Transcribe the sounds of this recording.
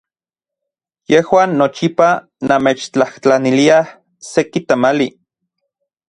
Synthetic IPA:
jehwaːnːot͡ʃipa | nameːt͡ʃt͡ɬaht͡ɬaniliah | sekit̪amali

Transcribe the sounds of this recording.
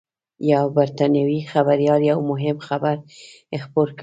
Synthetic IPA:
jawbaɾt̪ɑnjawixabaɾjɑljawmʊɦɪmxabaɾ | ɪxpoɾk

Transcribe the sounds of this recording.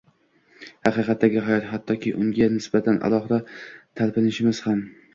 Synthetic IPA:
hɑqɨjqʰɑt̪ʰːaɡʲɪɦajɒt̪hat̪ʰːɒkʲʰɪʔʊŋɡʲanɪsbat̪ʰanʔa̰lˠɒχɨd̪at̪ʰalpɪnɪʃɪmɪz̥ham

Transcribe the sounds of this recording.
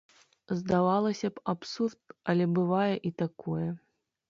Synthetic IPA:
zd̪avalˠɐsʲɐpapsurt̪̚alʲɛbɨvajɛʔit̪akojɐ

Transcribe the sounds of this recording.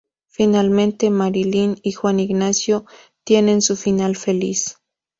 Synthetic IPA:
finalment̪emaɾilinixwaniɡnasjo | t̪jenensufinalfelḭs

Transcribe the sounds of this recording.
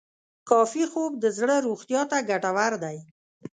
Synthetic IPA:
kɑfixob̚d̪əzɽəɾoxt̪jɑt̪aɡaʈawaɾd̪aj

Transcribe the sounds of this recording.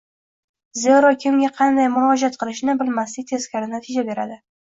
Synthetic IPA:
zeɾɒkʲʰɪmɡʲaqʰɑnd̪ajmʊɾɒd͡ʒat̪̚qʰɨlˠɪʃnɪbɪlmaslɪk̚ʲt̪ʰe̞z̥kʲaɾɪnat̪ʰid͡ʒabe̞ɾad̪ɪ

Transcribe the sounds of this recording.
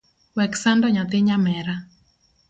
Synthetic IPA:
wɛksandɔɲat̪ɪɲamɛɾa

